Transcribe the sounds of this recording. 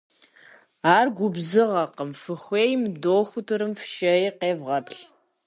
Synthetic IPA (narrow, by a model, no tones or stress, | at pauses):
aːrɡʷʊbzɨʁɐqəmfɨxʷeːjmdoːxʷʊtʰɨɾɨmfʃɐjiqeːvʁɐpɬ